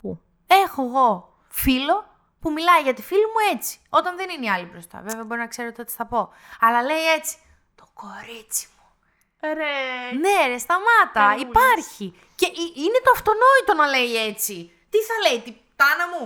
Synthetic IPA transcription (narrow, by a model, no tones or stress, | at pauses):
e̞xo̞eɣo̞ | filo̞ | pumilɐiʝɐt̪ifilimue̞t͡si̥o̞t̪ɐnðe̞nineiɐlibɾo̞st̪ɐ̰ve̞veɐbo̞ɾinɐkse̞ɾot̪o̞t̪i̥θɐpo̞ | ɐlɐle̞ie̞t͡si̥ | t̪o̞̥ko̞ɾit͡si̥mu̥ | ne̞ɾest̪ɐmɐt̪ɐipɐɾçi | ceʔiine̞t̪oɐft̪o̞no̞it̪o̞nɐle̞je̞t͡si | t̪iθɐle̞jt̪ipt̪ɐnɐmu